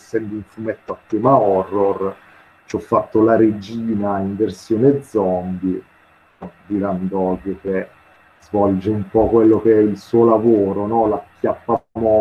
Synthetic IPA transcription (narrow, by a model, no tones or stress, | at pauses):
sːɛnd̪uɱfumɛt̪ːoat̪ːeːmaɔrːor | t͡ʃɔfːat̪ːolaɾed͡ʒiːnaiɱversjoːned̪zːɔmbi | ɔd̪iɾand̪ɔɡoke | zvɔld͡ʒeumpɔkwelːok̟eɛilsuːolavoːɾonɔlakːjapːamo